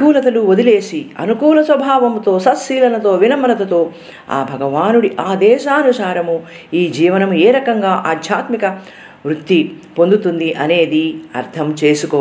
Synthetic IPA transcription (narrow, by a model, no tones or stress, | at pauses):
uːlɐt̪ɐluod̪ile̞ːsiɐ̰nukuːlɐsʋɐbʱaːʋɐmt̪o̞ːsɐt̪ʃiːlɐnɐt̪o̞ːʋinɐmɐɾɐt̪ɐt̪o̞ː | a̰ːbʱɐɡɐʋaːnuɽiʔaːd̪ɛːʃaːnusaːɾɐmu | iːd͡ʒiːʋɐnɐmueːɾɐkɐŋɡaːʔaːd̪ʱjaːt̪mikɐ | ʋɾut̪ːipo̞nd̪ut̪und̪iʔɐne̞ːd̪iɐ̰ɾt̪ʰɐmt͡ʃe̞ːsukɔː